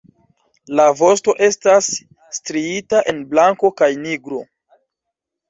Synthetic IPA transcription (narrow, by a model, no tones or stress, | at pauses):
lavo̞sto̞ʔe̞stasː | tɾiitaʔe̞nblaŋko̞kajniɡɾo̞